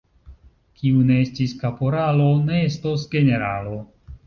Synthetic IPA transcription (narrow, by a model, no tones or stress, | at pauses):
kʰiune̞estiskapoɾalo̞ne̞estosɡe̞ne̞ɾalo̞